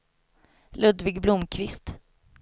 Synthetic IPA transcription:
lɵd̪vɪɡblʊmkʰvɪst̪

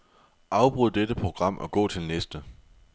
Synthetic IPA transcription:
ʔɑ̈ʊb̥ʁuðˠd̥ed̥əpʰʁo̝ɡ̥ʁɑ̈m̰ʔɒ̽ɡ̥ɔ̰̽ːt͡sʰe̝lnesd̥ə

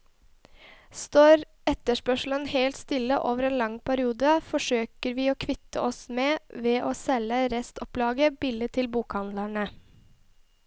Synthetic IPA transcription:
st̪oːɾ | ɛt̪əʂpœʂl̩ənheːlt̪st̪ɪlːəʔoːʋəɾeːnlɑŋpʰæɾɪuːd̪əfɔʂøːkəɾʋiːoːkʰʋɪt̪ə̰ɔsmeːʋeːʔoːsɛləɾɛst̪ɔplɑːɡəbɪlət̪ʰɪlbuːkhɑnd̪læɳə

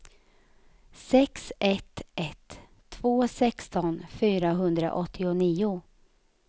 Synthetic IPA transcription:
sɛksʔɛt̪ʰːʔɛt̪ʰː | voːsɛkst̪ɔnfyːɾaɦɵnd̪ɾa̰ʔɔt̪ʰːɪʊniːʊ

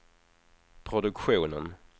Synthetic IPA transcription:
pʰɾʊd̪ɵkɧuːnən

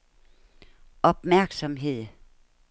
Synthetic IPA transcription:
ɒ̽b̥mæɐɡ̥sɒ̽mɦe̝ð̰ˠ

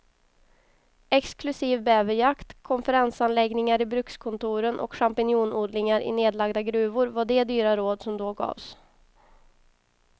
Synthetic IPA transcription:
ɛksklɵsiːvbɛːvɪjakt̪kʰɔnfəɾansanlɛɡnɪŋaɾɪbɾɵkskʰɔnt̪ʰuːɾənʔɔ̰kɧampɪnjuːnuːd̪lɪŋaɾʔɪ̰neːd̪laɡd̪aɡɾʉ̟ːvʊɾvaɖɛd̪yːɾaɾoːd̪sɔmd̪oːɡɑ̰ːvs

